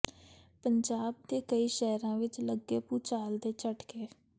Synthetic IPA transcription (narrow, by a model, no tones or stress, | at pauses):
pəɲd͡ʒaːb̚d̪eːkəiːʃɛːɾãːʋɪt͡ʃləɡːeːpuːt͡ʃaːld̪eːt͡ʃəʈkeː